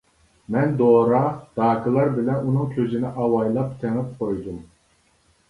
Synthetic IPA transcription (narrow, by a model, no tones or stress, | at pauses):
mɛnd̪oːɾɑd̪̥ɑːkʰɨlˠɑɾbɪlɛnunɨŋkʲʰøzɪnɪʔɑwɑjlˠɑp̚t̪ʰeŋɪp̚qʰojd̪um